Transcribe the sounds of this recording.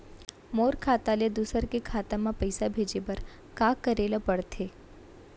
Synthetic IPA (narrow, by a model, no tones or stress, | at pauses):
moːɾkʰaːt̪aled̪ʊsəɾkekʰaːt̪ãmãpəɪsabʱed͡ʒebəɾ | kakːəɾelapəɽt̪ʰe